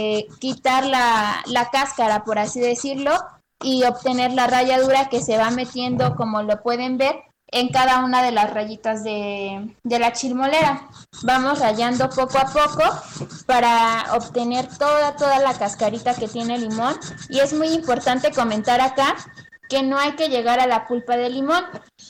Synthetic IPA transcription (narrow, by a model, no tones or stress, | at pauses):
kit̪aɾlalakaskaɾapo̞ɾasiðe̞siɾlo̞ | io̞pt̪e̞ne̞ɾlaraʝaðuɾake̞se̞βame̞t̪je̞nd̪o̞ko̞mo̞lo̞pwe̞ðe̞mbe̞ɾ | e̞ŋkaðaunaðe̞lasraʝit̪azðe̞d̪e̞lat͡ʃilmo̞le̞ɾabamo̞sraʝand̪o̞po̞koapo̞ko̞paɾao̰pt̪e̞ne̞ɾt̪o̞ðat̪o̞ðalakaskaɾit̪ake̞t̪je̞ne̞limo̞nie̞zmujimpo̞ɾt̪ant̪e̞ko̞mẽ̞nt̪aɾaka | ke̞no̞ajke̞ʝe̞ɣaɾalapulpaðe̞limõ̞n